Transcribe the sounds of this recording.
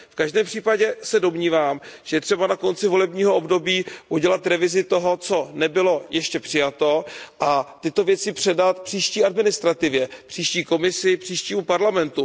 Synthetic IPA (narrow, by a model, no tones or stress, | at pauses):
fkaʒdɛːmpr̥iːpaɟɛsɛdo̞mɲiːvaːmʒ̥ɛjɛt̪r̥ɛbanako̞nt͡sɪvo̞lɛbɲiːɦoo̞bdo̞biːʔuɟɛlat̪ɾɛvɪzɪt̪o̞ɦo̞t͡so̞nɛbɪlo̞jɛʃcɛpr̥ɪjat̪o̞ʔat̪ɪt̪o̞vjɛt͡sɪpr̥ɛdat̪pr̥iːʃciːʔadmɪnɪst̪ɾat̪ɪvjɛpr̝̥iːʃciːko̞mɪsɪpr̥iːʃciːmupaɾlamɛnt̪u